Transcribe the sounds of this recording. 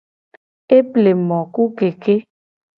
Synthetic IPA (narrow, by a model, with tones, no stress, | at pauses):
e˦ple˨mɔ̃˨ku˦ɡe˨ke˦